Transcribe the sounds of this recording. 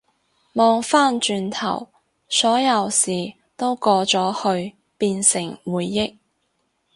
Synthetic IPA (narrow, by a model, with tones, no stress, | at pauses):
mɔː˨˧ŋfaː˥nt͡ʃyː˧nt̪ʰɐ̰˨˩w | sɔː˨˥jɐ˨˧wsiː˨˩ | t̪o˥wkɔː˧t͡sɔː˨˥hɵ˧ɥ | piː˧nsɪ˨˩ŋwuː˨˧jːɪ˥k̚